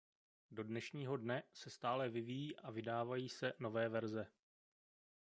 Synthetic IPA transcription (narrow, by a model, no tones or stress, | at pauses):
do̞dnɛʃɲiːɦo̞dnɛsɛst̪aːlɛvɪvijiːʔavɪdaːvajiːsɛno̞vɛːvɛɾzɛ